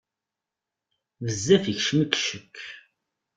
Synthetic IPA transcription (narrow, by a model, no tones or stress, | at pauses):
vəzːæfəçʃməkːʃəkʰː